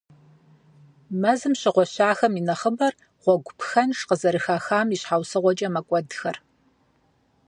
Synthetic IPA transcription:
mɐzɨmɕɪʁʷɔɕaːxɐminɐχəbɐr | ʁʷɔɡʷʊpʰxɐnʂqəzɐɾɨxaːxaːmiɕħaːwsɨʁʷɔt͡ʃʼɐmɐkʷʼɔdxɐr

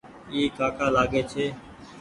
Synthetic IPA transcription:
iːkaːkaːlaːɡeːt͡ʃʰeː

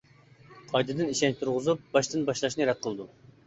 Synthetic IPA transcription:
qʰɑjd̪ɨd̪ɨniʃɛnt͡ʃt̪ʰuɾʁʊzup̚bɑʃt̪ɨnbɑʃlˠɑʃnɨɾɛt̪̚qʰəlˠd̪u

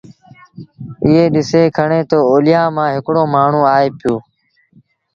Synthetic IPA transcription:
ɪɦeːɗɪseːkʰəɳeːt̪oːoːlɪjãːmãːɦɪkɽoːmaːɳ̤ũːaːeːpɪjoː

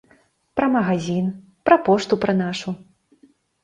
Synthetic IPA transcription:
pɾɐmɐɣazʲin | pɾɐpɔʂt̪upɾɐnaʂu

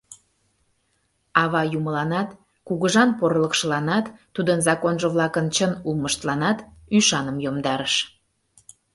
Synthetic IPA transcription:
ɑβɑjuməlɑnɑt̪ | kuɣəʒɑnporləkʃəlɑnɑt̪ːud̪ənzɑkonʒəβlɑkənt͡ɕənulˠməʃt̪lɑnɑt̪yʃɑnəmjomd̪ɑɾəʃ

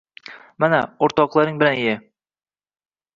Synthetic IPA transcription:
manaoɾt̪ɒqlˠɑɾɪŋbɪlanejɪ

